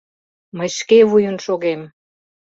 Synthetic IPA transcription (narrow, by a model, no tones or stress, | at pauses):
məjʃkeβujənʃoɣem